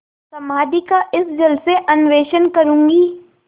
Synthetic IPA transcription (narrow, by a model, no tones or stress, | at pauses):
sɐmaːd̪ikaʔɪsd͡ʒɐlseʔɐnʋeːʃənkɐɾũːŋɡiː